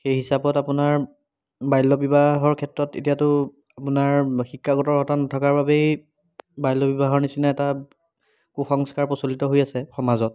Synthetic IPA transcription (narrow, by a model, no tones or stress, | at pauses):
xejɦisabɔtapʊnaɹ | bajlɔbibaɦɔɹkʰɛtɹɔtḛtijatʊ | apʊnaɹxikʰːaɡɔtɔɹɦɔtanatʰakaɹbabej | bajlɔbibaɦɔɹnisinaɛta | kuxɔŋskaɹpɔsolitɔɦojasɛxɔmazɔt̚